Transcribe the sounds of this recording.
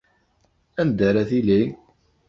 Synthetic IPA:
æmd̪æɾæθili

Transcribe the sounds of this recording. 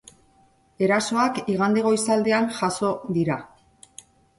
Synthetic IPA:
e̞ɾaso̞akiɣ̞and̪eɣo̞jsald̪e̞anʝaso̞ðiɾa

